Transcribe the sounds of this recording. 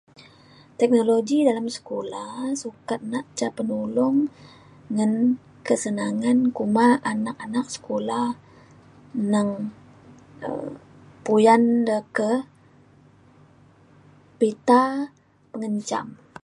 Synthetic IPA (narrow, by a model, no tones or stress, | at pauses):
t̪ɛk̚noloɡidalamsə̥kolahsukat̪̚naʔt͡ʃapənulʊŋː | an | kəsənaŋankumaʔanak̚anak̚sə̥kolah | nəŋ | ə̰ | pujandəkə | pit̪a | pəŋəɲt͡ʃa̰m